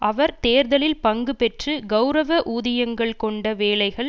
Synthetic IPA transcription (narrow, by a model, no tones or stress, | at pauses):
ʔɐʋɐɾt̪eːɾðɐlɪlpɐŋɡɯpɛʈrɯɡɐʊɾɐʋɐʔuːðɪjɐŋɡɐɭkɔɳɖɐʋeːlɐɪɣɐɭ